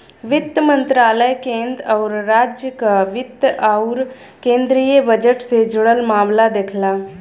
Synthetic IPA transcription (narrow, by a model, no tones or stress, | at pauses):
ʋɪt̪mə̃nt̪ɾaːləjkẽːnd̪ɾɔːɾɾaːd͡ʒjəkaʋɪt̪aʊɾ | kẽːnd̪ɾijəbəd͡ʒəʈsed͡ʒʊɽəlmaːmlad̪eːkʰlaː